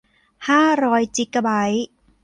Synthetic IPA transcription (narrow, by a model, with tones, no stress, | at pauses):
haː˥˩ɾɔː˦˧jt͡ɕi˧˩kːa˧ba˩˦j